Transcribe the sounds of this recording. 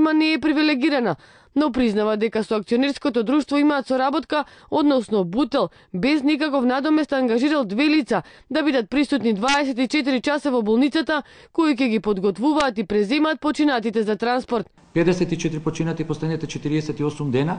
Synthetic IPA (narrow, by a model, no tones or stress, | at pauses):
manɛːpɾivilɛɡiɾana | nɔpɾiznavad̪ɛkasɔakt̪siɔnɛɾskɔt̪ɔd̪ɾuʃt̪vɔimaːt̪sɔɾabɔt̪kaod̪nɔsnɔbut̪ɛlˠ | bɛznik̬akɔfnad̪ɔmɛst̪aŋɡaʒiɾalˠd̪vɛlit̪sa | d̪abid̪at̪̚pɾisut̪nid̪vaɛsɛt̪it͡ʃɛt̪̬iɾit͡ʃasavɔbɔlˠnit̪sat̪akoik̬ɛɡipɔd̪ɡɔt̪vuvaːt̪ipɾɛzɛmaːt̪̚pɔt͡ʃinat̪it̪ɛzat̪ɾanspɔɾt̪̚ | pɛd̪ɛsɛt̪it͡ʃɛt̪ɾipɔt͡ʃinat̪ipɔslɛd̪nit̪ɛt͡ʃɛt̪iɾiɛsɛt̪iɔsumd̪ɛna